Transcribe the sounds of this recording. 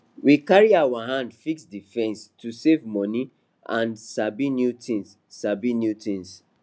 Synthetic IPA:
wikaɹiawaɦãndfiksdifɛ̃nstʰusevmɔni | ã̰nsabinjutʰĩns | sabinjutĩns

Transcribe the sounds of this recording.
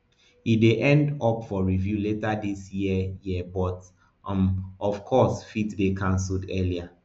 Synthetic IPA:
ideʔɛ̃ndɔpfɔɹivjuletadisjiəjiəbɔt | mɔfkʰɔsfitdekʰãnsuldɛlia

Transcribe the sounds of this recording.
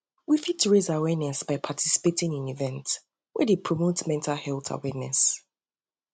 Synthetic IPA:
wifid̚tʰuɹezawɛnɛsb̥aɪpʰatʰisi̥petɪ̃ŋĩnivɛ̃nt | wɛdepʰɹɔmotmɛ̃ntʰalhɛlˠθʰa̰wɛnɛs

